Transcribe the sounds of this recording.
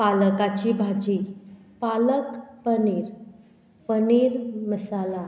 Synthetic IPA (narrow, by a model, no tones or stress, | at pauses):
paləkat͡ɕibʱad͡ʑi | paləkpəniɾ | pəniɾməsala